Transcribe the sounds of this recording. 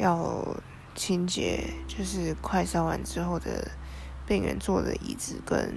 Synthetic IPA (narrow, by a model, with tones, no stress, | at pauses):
jɑ˥˧ʊ | t͡ɕʰi˥nt͡ɕjɛ̰˨˩˦t͡ɕjo˥˧ʊʂɻ̩˥˧kʰwa˥˩ɪsɑ˥ʊwa˧˦nʈ͡ʂɻ̩˥xo˥˩ʊd̪ə̰˩pi˥˩ŋɥɛ̰˧˥nt͡swɔ˥˩d̪ə̰˨˩ʔḭ˧˩t͡sɹ̩˨˩kə̰˦˥n